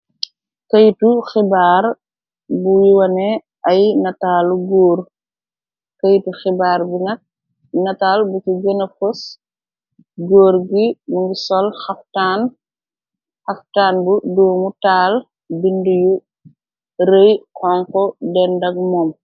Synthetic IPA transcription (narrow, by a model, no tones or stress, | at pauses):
kɐjtuxibaːr | buwiwɐnɛ | ɐjnɐtaːluɡɔːr | kɐjtuxibaːɾbinɐk̚ | nɐtaːlbukiɡənɐfɐs | ɡɔːɾɡimuŋɡisɔlxɐftaːn | xɐftaːnbudɔːmutaːl | binduju | rejkɔŋkɔdɛndɐɡ̚mɔːm